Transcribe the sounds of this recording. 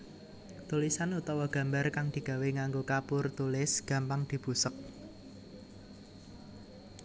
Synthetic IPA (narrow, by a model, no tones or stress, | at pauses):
t̪ulisanut̪ɔwɔɡ̥ä̤mbarkaŋd̪̥i̤ɡ̥a̤weŋaŋɡokapʊrt̪ulɪsɡ̥a̤mpaŋd̪̥i̤b̥ṳsək̚